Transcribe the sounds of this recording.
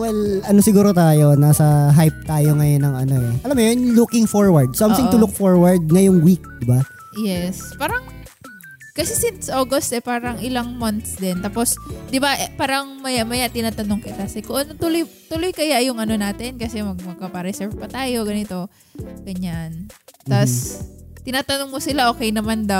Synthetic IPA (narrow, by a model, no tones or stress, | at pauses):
wɛlʔɐnosɪɡuːɾot̪aːjo̞naːsɐɦajp̚t̪aːjoŋɐjonːɐŋʔɐno̞ʔɛʔɐlamːojonlukɪŋfoɹwɐɹd̪̚sɐmt̪ɪ̃ŋt̪ʊluk̚foɹwɐɹd̪̚ŋɐjoŋwik̚d̪ɪba | jɛspaːɾɐŋ | kɐsɛsɪnsʔoːɡost̪ʔɛpaːɾɐŋʔɪlaŋmɐnt̪sd̪ɛnt̪aːpo̞sd̪ɪbaʔpaːɾɐŋmɐjamɐjat̪ɪnaːt̪ɐnoŋkɪɪt̪asɐkoʔonːɐt̪ʊlojt̪ʊlojkɐjajʊŋʔɐno̞naːt̪ɛnkɐsɛmɐɡ̚mɐɡ̚pɐpɐɾɛsɛɹvpɐt̪aːjo̞ɡɐnɪt̪o̞ | ɡ̥ɐɲant̪ast̪ɪnaːt̪ɐnoŋmosɪlaʔoːkɛjnɐmand̪a